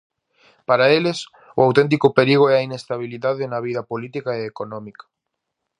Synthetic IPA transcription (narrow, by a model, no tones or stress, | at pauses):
paɾaeles | ʊ̰awt̪ẽnt̪̬ikʊpeɾiɣoɛɐinest̪aβ̞iliðaðɪnɐβiðɐpolit̪ikaeːkonɔ̃mikḁ